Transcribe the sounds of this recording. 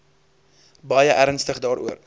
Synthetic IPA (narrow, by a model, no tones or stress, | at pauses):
bɐjəʔæɾənstəχdɑːɾʔṵər